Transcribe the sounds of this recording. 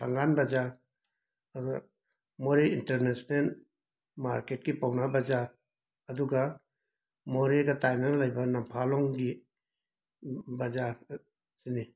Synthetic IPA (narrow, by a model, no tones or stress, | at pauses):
tʰaŋɡanbad͡ʒaɾ | ɐduɡa̰ | moɾeinteɾnesnel | ma̰ɾket̚kipawnabɐd͡ʒaɾ | ɐduɡa | moɾeɡɐtajnalɐjbɐnɐmpʰalɔŋɡi | bɐd͡ʒaɾ | sini